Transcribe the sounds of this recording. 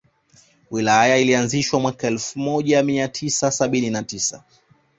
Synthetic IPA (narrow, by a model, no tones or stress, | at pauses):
wilajailianziʃwamwakaɛlfumɔʄamiatʰisasaɓininatisa̰